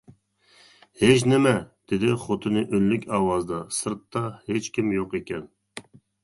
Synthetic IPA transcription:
het͡ʃnɪmɛd̪̥ɪd̪ɪχot̪ʰɨnɨʔølːykʲɑːwɑzd̪ɑsɨɾt̪ːɑhet͡ʃkʲimjoqekʲɛn

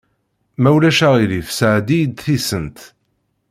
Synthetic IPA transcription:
mæwlæʃæʁilifsʕd̪ijd̪θisənt̪

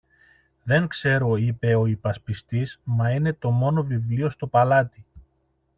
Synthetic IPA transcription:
ðe̞ŋkse̞ɾo̞ipe̞o̞ipɐspist̪izmɐine̞t̪o̞mo̞no̞vivlio̞st̪o̞pɐlɐt̪i

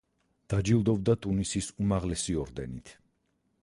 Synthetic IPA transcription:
d̪̥ad͡ʒilˠd̪ɔbd̪at̪ʼunisisumaʁlɛsiɔɾd̪ɛnit̪ʰ

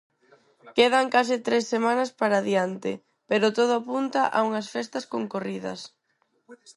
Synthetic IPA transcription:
keðɐŋkas̬ɪt̪ɾesːemanɐspaɾaðjant̪ɪ̰ | peɾot̪oð̞ʊapunt̪ɐʔa̰uŋɐsfɛst̪ɐskoŋkoriðɐ̰s

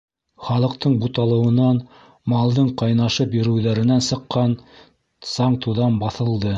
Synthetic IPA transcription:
χɑlˠɤ̆qt̪ɤɴbut̪ɑlˠɤ̆wɤ̆nɑn | mɑlˠd̪ɤɴqɑjnɑʃɤpjɵ̆ɾɘ̆wðæɾɘ̆nænsɤ̆qːɑn | sɑɴt̪uðɑnbɑθɤ̆lˠd̪ɤ

